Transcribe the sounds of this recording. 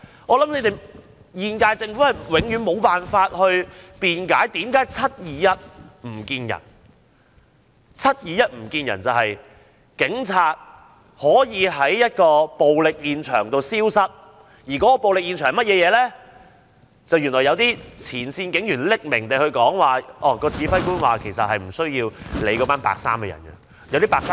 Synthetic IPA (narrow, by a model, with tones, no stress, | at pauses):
ŋɔː˨˧lɐ˨˥mne˨˧jt̪e˨j | jiː˧nkaː˧jt͡sɪ˧ŋfu˨˥hɐ˨jwɪ˨˧˥ŋjyː˨˧nmo˨˧wpaː˨nfaː˧t̚hɵ˧ɥpiː˨nkaː˨˥jt̪iː˨˥mkaː˨˥jt͡sʰɐ˥t̚jiː˨˧jɐ˥t̚m̩˨˩kiː˧njɐ̰˨˩n | t͡sʰɐ˥t̚jiː˨˧jɐ˥t̚m̩˨˩kiː˧njɐ̰˨˩nt͡sɐ˨whɐ˨j | kɪ˨˥ŋt͡sʰaː˧t̚ | hɔː˨˥jiː˨˧ɦɐ˨˥jːɐ˥t̚kɔː˧po˨wlɪ˨k̚jiː˨˧nt͡ʃʰœ̰ː˨˩ŋt̪o˨˧wsiː˥wsɐ˥t̚ | jiː˨˩kɔː˨˥kɔː˧po˨wlɪ˨k̚jiː˧nt͡ʃʰœː˨˩mɐ˥t̚jɛː˨˧jɛː˨˧lɛ˥ | t͡sɐ˨wjyː˨˩nlɔː˨˩jɐ˨˧wt̪iː˥t͡sʰiː˨˩nsiː˧nkɪ˨˥ŋjyː˨˩nlɪ˥k̚mɪ˨˩ŋt̪e˨hɵ˧ɥkɔː˨˥ŋwaː˨ʔɔː˧kɔː˧t͡siː˨˥fɐ˥jkuː˥nwaː˨˩kʰe˨˩jsɐ˨t̚hɐ˨jm̩˨˩sɵ˥ɥjiː˧wle˨˧jkɔː˨˧˥paː˥npa̰ː˨k̚sa̰ː˥mkɛː˧jɐ̰˨˩nɐ̰˧ | jɐ˨˧wt̪iː˥paː˨˧ksaː˥